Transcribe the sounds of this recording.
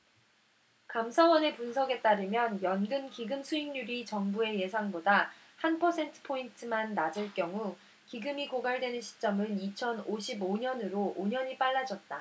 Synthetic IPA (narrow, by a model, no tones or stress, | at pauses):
kamsʰawʌne̞punsʰʌɡe̞t͈aɾɯmjʌnjʌnɡɯnkiɡɯmsʰuiŋɲuɾit͡ɕʌŋbue̞je̞sʰaŋboda | hanpʰʌsʰe̞ntʰɯ̥pʰointʰɯmanːad͡ʑɯɭk͈jʌŋu | kiɡɯmikoɡaɭdwe̞nɯnɕʰi̥t͡ɕ͈ʌmɯnit͡ɕʰʌnoɕʰiboɲʌnɯɾoʔoɲʌɲip͈aɭːad͡ʑʌt̚t͈a